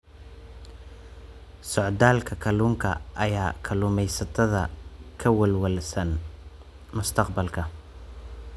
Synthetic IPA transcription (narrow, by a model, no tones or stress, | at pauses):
sɔʕd̪aːlkʰɐkʰɐluːŋkʰɐʔɐjaːkʰɐlʊːmɛjsɐt̪ʰɐðɐ̰kʰɐwɐlwɐlsɐn | mʊst̪ʰɑqbɐlkʰɐ